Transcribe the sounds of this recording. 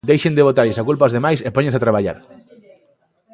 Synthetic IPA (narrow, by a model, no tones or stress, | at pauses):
d̪ejʃend̪eβot̪aɾʎesakulpaozðemajsepoɲẽnsat̪ɾaβ̞aʎa̰ɾ